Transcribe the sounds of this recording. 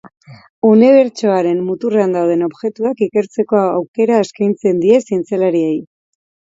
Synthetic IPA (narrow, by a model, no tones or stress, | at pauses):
uneβe̞ɾt͡ʃo̞aɾe̞mːut̪ureand̪awð̞e̞no̞βʝe̞t̪uakikeɾt͡se̞ko̞awke̞ɾaeskajnt͡se̞nd̪ie̞sint͡selaɾiej